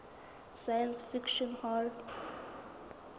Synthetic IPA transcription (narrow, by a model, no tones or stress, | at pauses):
sajə̃nsfɪkʃə̃nhald